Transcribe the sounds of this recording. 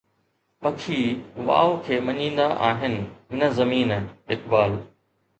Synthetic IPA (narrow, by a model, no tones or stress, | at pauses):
pɐkʰiːʋa̰ːokʰeːmɐɲĩːnd̪aʔaːɦɪnɪ̆nɐzɐmiːnɪkbaːl